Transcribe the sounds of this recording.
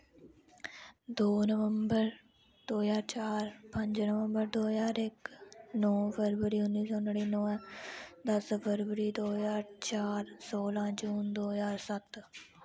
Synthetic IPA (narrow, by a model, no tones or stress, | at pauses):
d̪oːnəʋəmbəɾ | d̪̥oːjaːɾt͡ʃaːɾpə̃ɲd͡ʒnəʋə̃mbəɾd̪oːjaːɾɪknɔːpʰəɾʋəɾiːʊnːiːsɔːnəɽiːnɔ̃ːɛ̃d̪əspʰəɾʋəɾiːd̪oːjaːɾt͡ʃaːɾsoːlãːd͡ʒuːnd̪oːjaːɾsət̪